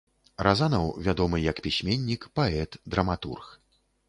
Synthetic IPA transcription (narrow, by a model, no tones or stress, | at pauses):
razanɐwvʲad̪ɔmɨjɐkpʲisʲmʲenʲːikpaɛt̪d̪ɾɐmat̪ṵrx